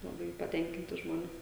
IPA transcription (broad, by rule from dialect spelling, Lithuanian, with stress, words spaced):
lˠɐˈbɐɪ pɐˈtʲɛŋʲkʲɪnʲtʲɪ ˈʒmoːnʲeː